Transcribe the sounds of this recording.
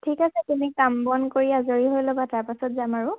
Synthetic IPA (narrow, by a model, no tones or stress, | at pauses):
tʰikasɛtumikambɔnkoɹiazoɹiɦojlobataɹpasɔtzamaɹʊ